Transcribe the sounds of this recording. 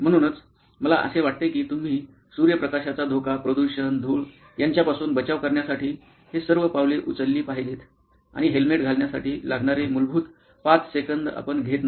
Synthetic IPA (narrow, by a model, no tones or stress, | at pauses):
m̤əɽ̃uːnət͡s | məla̰ʔə̰seʋaʈ̚t̪ekiːt̪um̤iː | suɾjəpɾəkaɕat͡sad̪ʱokapɾəd̪uɕənd̪ʱuːɭ | jaɲt͡ɕjapasuːnbət͡ɕaʋkəɾɳjasaʈiː | hesəɾʋəpaʋleʔut͡səlːiːpaɦilet̪ | a̰ɽ̃iɦelmeʈ̚ɡʱalɳjasa̰ʈiːlaɡɳaɾemulbʱuːt̪ | pat͡ssekənd̪a̰pəɳɡʱet̪na